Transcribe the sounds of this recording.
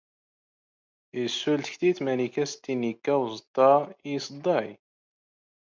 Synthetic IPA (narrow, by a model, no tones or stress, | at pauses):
isːult̪çθit̪mænikæst̪ːinikːæwzt̪ːɑsd̪ˤːɑj